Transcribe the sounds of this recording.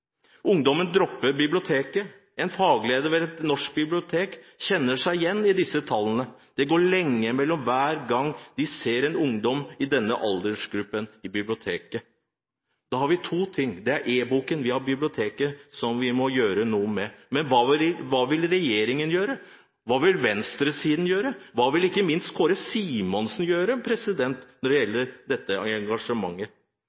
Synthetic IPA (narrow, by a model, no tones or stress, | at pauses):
ʊŋd̪ɔmənd̪ɾɔpːəɾbɪblɪʊt̪ʰeːkə | ɛnfɑːɡəleːd̪əɾʋɛɾɛt̪nɔʂk̚bɪblɪʊt̪ʰeːkçɛnːəʂæɪjɛnːɪd̪ɪsːət̪ʰɑlːənəd̪̥ɛɡoːɭɛŋːəmɛlːɔmʋæːɾɡɑŋd̪ɪseːɾɛnʊŋd̪ɔmɪd̪ɛnːə̰ʔɑld̪əʂɡɾʉpːənɪbɪblɪʊt̪ʰeːkə | d̪̥ɑːhɑɾʋɪt̪ʰuːt̪ʰɪŋːd̪ɛæɾʔeːbuːkənʋɪhɑɾbɪblɪʊt̪ʰeːkəsɔmʋɪmɔjøːɾənuːmɛmɛnʋɑːʋɪɾɪʋɑːʋɪlɾɛjeːɾɪŋənjøːɾə | ʋɑːʋɪlʋɛnst̪ɾəsiːd̪n̩jøːɾəʋɑːʋɪlɪkːəmɪnst̪kʰoːɾəsiːmɔnsnjøːɾəpʰɾɛsɪd̪ɛnt̪nɔɖɛjɛlːəɾd̪ɛt̪ːəɛŋɡɑʂəmɑŋːə